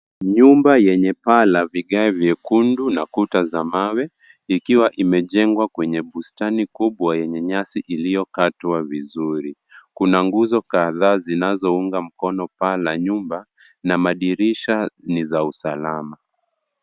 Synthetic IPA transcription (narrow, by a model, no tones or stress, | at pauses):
ɲumbajɛɲɛpalaviɠaɛvjɛkundunakutazamawɛ | ikiwaʔimɛʄɛŋɡwakwɛɲɛɓustanikuɓwajɛɲɛɲasiʔilijɔkatwavizuɾi | kunaŋɡuzɔkaðaːzinazɔuŋɡam̩kɔnɔpalaɲumba | namaɗiɾiʃanizausalama